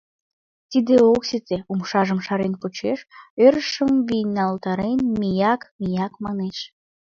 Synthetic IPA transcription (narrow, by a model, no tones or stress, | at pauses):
t̪id̪eoksit̪eumʃɑʒəmʃɑɾenput͡ɕeʃøɾəʃəmβinɑlt̪ɑɾenmijɑkmijɑkmɑneʃ